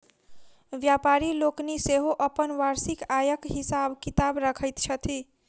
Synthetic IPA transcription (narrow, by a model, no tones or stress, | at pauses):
ʋjapaɾilokniseɦoʔəpənʋaɾsikajəkɦisabkit̪abɾəkʰəjt̪t͡ʃʰət̪ʰi